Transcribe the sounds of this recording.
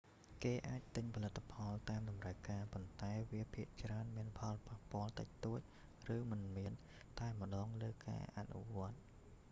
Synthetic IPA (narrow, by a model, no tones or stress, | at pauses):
keːʔaːc̚t̪ɨɲpʰɑlɨt̪ʰːapʰɑlt̪aːmɗɑmrəəkaːpont̪aɛʋiəpʰiəʔt͡ɕraənmiənpʰɑlpahpŏəlt̪ə̰c̚t̪oːc̚ | rɨːmɨnmiən | t̪aɛmə̆ɗɑːŋləːka̰ːʔa̰nṵʋŏət̪̚